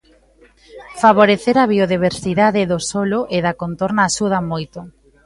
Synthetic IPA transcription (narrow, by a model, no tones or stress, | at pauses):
faβ̞oɾeθeɾaβioðiβ̞eɾsiðaðɪðosoloʔeðakont̪oɾnaːʃuð̞amojt̪ʊ